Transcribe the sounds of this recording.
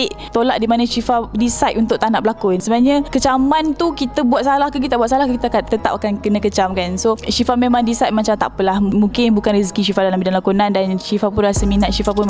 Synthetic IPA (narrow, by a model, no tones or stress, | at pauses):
iʔt̪olaʔdimanə̃ʃifadisajt̪unt̪ʊʔt̪anaʔbəlakʊnsəbənaɲə̃kət͡ʃamant̪ukit̪əbuat̪̚salahkək̬it̪abuat̪̚salahkkit̪akat̪ət̪a̰pakankənə̃kət͡ʃamkansoʃifamemãŋdisajt̪̚mat͡ʃamt̪a̰ʔpəlahmuŋkɪnbukanriskiʃifadalambidanlakunandanʃifap̬ʊnlasəminat̪̚ʃifap̬ʊn